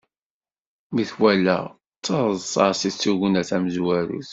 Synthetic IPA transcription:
miθwælːæ̰ | t͡sːɑɾˤəsˤɑ̰ɾsit͡sːuɣənæθæməzwæɾṵθ

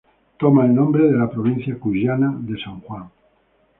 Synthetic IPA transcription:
t̪omaelnõmbɾeðelapɾoβ̞in̟θjakuʒanaðe̞sãŋxwaŋ

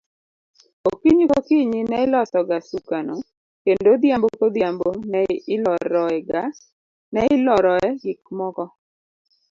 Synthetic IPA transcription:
okiɲikokiɲinɛɪlɔsɔɡasukano | kendod̪jambokod̪jambonɛɪlɔɾɔɛɡa | nɛɪlɔɾɔɛɡɪk̚mɔkɔ

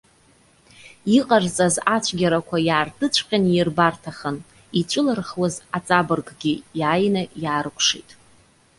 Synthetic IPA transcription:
iqʼart͡sʼazat͡ʃʷʰɡʲaɾakʷʰajaːrdɨt͡ɕʷʰqʲʼanjɪrbartʰaχən | it͡ʃʷʼɨlarχwazat͡sʼabɨrɡɡʲijaːjnajaːɾkʷʰʂḭtʼ

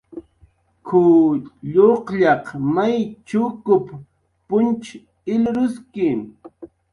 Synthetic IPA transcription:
kʰʊʎoqʎɑqmajt͡ʃʊkʊp | pʊnt͡ʃ | ɪlɾʊskɪm

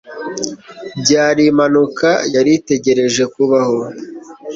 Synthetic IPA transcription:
bɟaːɾimanukajaɾite̞ɟe̞ɾe̞ʒe̞kuβaho̞

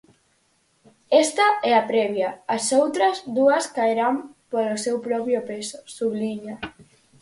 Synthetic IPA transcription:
est̪aɛapɾɛβjaːsowt̪ɾazd̪uɐskaeɾampolosewpɾɔpjopeso̥suβliɲa

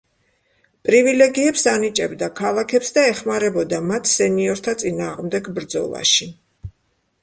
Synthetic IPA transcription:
pʼɾivilɛɡiɛpsanit͡ʃʼɛbd̪akʰalˠakʰɛpsd̪aɛχmaɾɛbɔd̪amat̪ʰsɛniɔɾt̪ʰat̪sʼinaːʁmd̪ɛɡbɾd̪zɔ̰lˠa̰ʃi

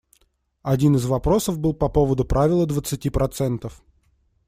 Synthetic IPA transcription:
ɐdʲinɨzvɐpɾo̞səvbɨlˠpɐpo̞vəd̪ʊpɾʔavʲɪlˠəd̪vət̪sɨtʲipɾɐt̪sɛnt̪əf

